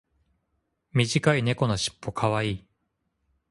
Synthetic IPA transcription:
mʲiʑikaine̞ko̞noɕi̥pːo̞kʰaβaiː

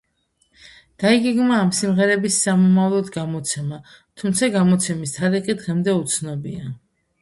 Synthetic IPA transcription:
d̪̥aiɡɛɡmaːmsimʁɛɾɛbisːamɔmavlˠɔd̪ɡamɔt̪sʰɛma | t̪ʰumt̪sʰaɡamɔt̪sʰɛmist̪ʰaɾiqʼid̪ʁɛmd̪ɛut̪sʰnɔbia

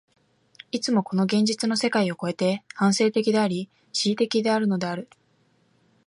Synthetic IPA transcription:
it͡sɨmo̞ko̞no̞ɡẽ̞ɲ̟d͡ʑit͡sɨno̞se̞kaio̞ko̞e̞t̪e̞hãɰ̃se̞ːt̪e̞kʲid̪e̞aɾʲi | ɕiːt̪e̞kʲid̪e̞aɾɯ̟no̞d̪e̞aɾɯ̟

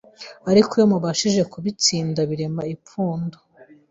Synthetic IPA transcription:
aɾikojomuβaʃiʒe̞kuβit͡siːndaβiɾe̞maipuːndo

